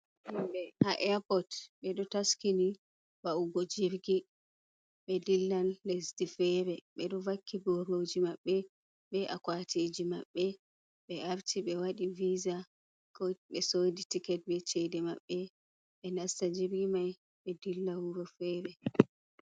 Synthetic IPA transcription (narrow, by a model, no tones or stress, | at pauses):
himɓɛhaʔɛapɔtɓɛɗɔtaskini | bauɡɔd͡ʒiɾɡi | ɓɛdilːanːesdifɛɾɛɓɛɗɔvakʰːibɔɾod͡ʒimaɓːɛ | ɓɛʔa̰kwatʰid͡ʒima̰ɓːɛ | ɓɛaɾtʰiɓɛwaɗiviza | kɔɓɛsoditikɛt̚bɛt͡ʃɛdɛma̰ɓːɛ | ɓɛnastad͡ʒiɾɡimaj | ɓɛdilːawuɾɔfɛɾɛ